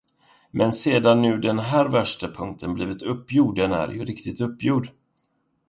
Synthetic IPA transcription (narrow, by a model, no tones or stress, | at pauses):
mʔɛnseːd̪anːʉ̟ːd̪ɛnɦæːɾvæʂʈapʰɵŋkt̪ʰənbliːvɪt̪ɵpːjuːɖɛnæ̰ɾjɵ̰ɾɪkt̪ɪt̪ɵpːjuːɖ